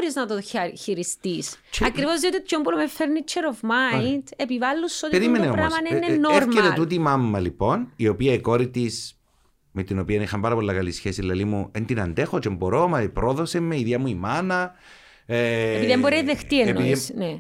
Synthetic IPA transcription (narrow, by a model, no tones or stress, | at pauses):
ɾiznɐt̪oçiɾist̪isɐkɾivozðiot̪iot̪ːombulomefeɾnit͡ʃʰeɾovmajnd̪epivalːusːot̪ieɾimeneomɾɐmɐneneːoɾmkeɾet̪ut̪imɐmːɐliponio̞piɐikoɾit̪is | met̪ino̞piɐnixɐmbɐɾɐpolːɐkɐlisçesilːɐlimuend̪inɐnd̪exot͡ʃemboɾomɐpɾoðosemːeiðjɐmuimanɐ | piðemboɾeðext̪ienːosne